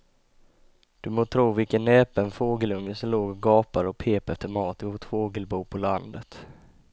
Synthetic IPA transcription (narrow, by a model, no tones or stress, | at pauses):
d̪̥ɵmoːt̪ʰɾuːvɪlkənɛːpənfoːɡəlɵŋːəsɔmloːɡɡɑːpaɾɔpʰeːpɛft̪ʰəɾmɑːt̪əhʊt̪foːɡəlbuːpʰɔland̪ət̪